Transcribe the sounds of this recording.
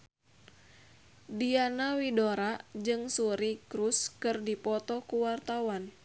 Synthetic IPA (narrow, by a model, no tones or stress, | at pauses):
dianawidoɾad͡ʒɨŋsuɾikɾuskɨrdipɔt̪ɔkuwart̪awan